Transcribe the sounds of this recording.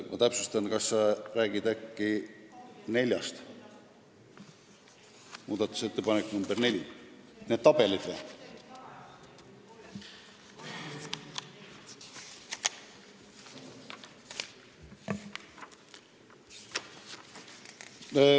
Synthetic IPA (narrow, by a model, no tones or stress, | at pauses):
mɑt̪æpsust̪ɑnkɑsːɑræːɡid̪̥ækːi | ne̞lʲjɑ̰st̪ | muːd̪̥ɑt̪ːˑu̥se̞t̪ːepɑnekːnumberne̞lʲi | ned̪̥t̪ɑb̥e̞lid̪̥veː